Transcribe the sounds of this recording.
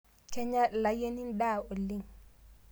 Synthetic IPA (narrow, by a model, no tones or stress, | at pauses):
t͡ʃɛɲalajenindaːolːiŋ